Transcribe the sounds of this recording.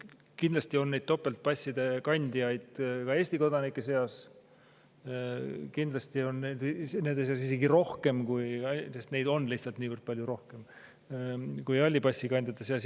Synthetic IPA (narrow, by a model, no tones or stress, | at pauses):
kind̪̥lɑst̪io̞nːed̪̚t̪o̞pːˑe̞lt̪̚pɑsʲːid̪̥e̞kɑnʲd̪̥ʲijɑjd̪̥kɑeːsʲt̪iko̞d̪̥ɑnikːˑese̞ɑs | kind̪lɑst̪io̞nːed̪ne̞nd̪̥eseɑs̬ise̞ɡiɾo̞hke̞mkujɑsest̪ne̞jd̪o̞nːliht̪sɑlt̪niːvərd̪̥̚pɑlʲjuɾo̞hke̞m | kujɑlʲːipɑsːikɑnʲd̪et̪ːˑɑseɑs